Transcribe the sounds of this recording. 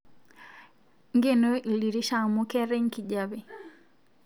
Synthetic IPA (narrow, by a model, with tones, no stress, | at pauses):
ŋɡe˦no˦i˨li˨ɾi˦ʃa˨ŋmu˦kɛ˦ɾe˦ŋki˨ɟa˦bi˨